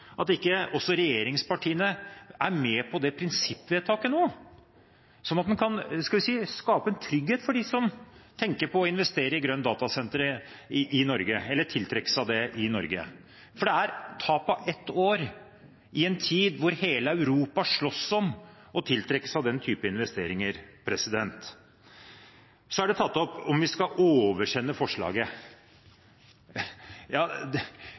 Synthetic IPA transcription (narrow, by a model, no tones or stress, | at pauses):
ʔɑt̪ɪkːəɔsːɔɾɛjeːɾɪŋspɑʈʰiːənəæɾmɛpʰɔd̪ɛpʰɾɪnsɪpːʋɛːd̪t̪ʰɑːkənoː | sɔnːɑt̪̚mɛnkʰɑnskɑlʋɪsiːskɑːpəɛnt̪ʰɾʏɡheːt̪fɔɖɪsɔmt̪ʰɛŋkəɾpʰɔːɪn̪ʋɛst̪eːɾəɪɡɾœnːd̪ɑːt̪ɑsɛnt̪əɾɪʔɪnɔɾɡəɛlːəʈʰɪlt̪ʰɾɛkːə̥sɑʋd̪ɛʔɪnɔ̰ɾɡə̰ | fɔɖɛæɾt̪ʰɑːpɔʔɛt̪ːoːɾ | ɪɛnt̪ʰiːd̪ʋʊɾheːləæʉɾuːpɑʂɭɔsːɔm | ɔt̪ʰɪlt̪ʰɾɛkːə̥sɑʋd̪ɛnt̪ʰyːpəɪnʋɛst̪ḛːɾɪŋəɾpʰɾɛsɪd̪ɛnt̪ | sɔæɖɛt̪ʰɑt̪ːɔpɔmʋɪskɑʔoːʋəʂɛnːəfɔʂɭɑ̰ːɡə | jɑː